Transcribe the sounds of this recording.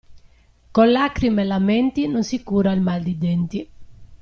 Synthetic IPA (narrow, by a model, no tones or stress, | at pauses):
konlakɾimelamɛnt̪inonsikuːɾailmald̪id̪ɛnt̪i